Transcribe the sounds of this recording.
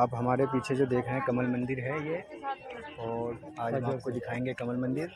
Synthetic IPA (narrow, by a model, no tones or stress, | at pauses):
aːpɦɐmaːɾepiːt͡ʃʰed͡ʒod̪eːkʰɾeɦɛ̃kɐməlmɐ̃nd̪ɪɾɦɛje | ɔːɾ | aːd͡ʒad͡ʒokod̪ɪkʰaːẽːŋɡekɐməlmɐ̃nd̪ɪɾ